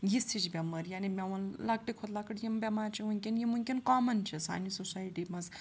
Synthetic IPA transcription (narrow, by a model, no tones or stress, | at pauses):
jisʰit͡ʃbʲɐmɐɾjaːnimʲɐʋɐnlak̚ʈikʰot̪lakəʈjimbʲemaːɾt͡ʃʰimuŋkʲinjimuŋʲkʲinkaːmɐnt͡ʃʰisa̰ːnisusaːjʈimɐz